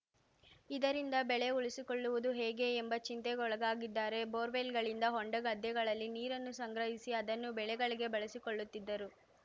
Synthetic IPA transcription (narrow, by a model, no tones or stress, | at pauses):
id̪ɐɾind̪ɐbɛɭe̞uɭisiko̞ɭːuʋud̪uɦeːɡe̞ːmbɐt͡ʃint̪ɛɡɔɭɐɡaːɡid̪ːaːɾe̞boːɾʋelɡɐɭind̪ɐɦɔɳɖɐɡɐd̪jɛɡɐɭɐlːiniːɾɐnːusɐŋɡɾɐɦisiɐd̪ɐnːubɛɭɛɡɐɭiɡe̞bɐɭɐsikoɭːut̪ːid̪ːɐɾu